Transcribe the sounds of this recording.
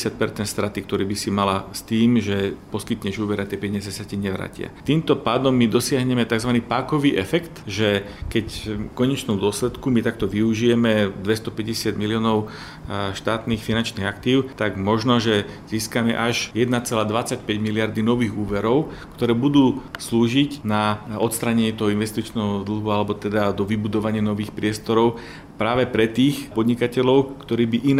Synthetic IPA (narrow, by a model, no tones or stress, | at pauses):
sɪac̚pɛɾt͡sɛnt̪st̪ɾat̪ik̚t̪ɔɾiːbisimalast̪iːmʒɛpɔskit̪ɲɛʒuːʋɛɾiat̪jɛpɛɲɪazɛsaciɲɛʋɾa̰ːcɪa̰t̪iːmt̪ɔpaːd̪ɔmːid̪ɔsɪaɦɲɛmɛt̪aɡzʋaniːpaːkɔʋiːʔɛfɛkt̪ʒɛ | kɛckɔɲɛt͡ʃnumd̪ʊɔslɛt̪kumit̪ak̚t̪ɔʋiuʒijɛmɛd̪ʋɛst̪ɔpɛɟɛsɪad̪miliɔːnɔʊ | ʃt̪aːt̪niːxfinant͡ʃniɣakt̪iːʊt̪aɡmɔʒnɔʒɛz̥iːskamɛ̰ʔaʒjɛd̪nat͡sɛlaːd̪ʋat͡sacpɛɟmilɪaɾd̪inɔʋiːɣuːʋɛɾɔʊkt̪ɔɾɛːbud̪uːsluːʒicnaɔt̪st̪ɾaːɲɛɲɪɛt̪ɔɦɔinʋɛst̪it͡ʃnɛːɦɔd̪l̩ˠɦualɛbɔt̪ɛd̪ad̪ɔʋibud̪ɔʋaɲɪanɔʋiːxpɾɪɛst̪ɔɾɔʊ | pɾaːʋɛpɾɛt̪iːxpɔd̪ɲikacɛʎɔʊkt̪ɔɾiːbiʔin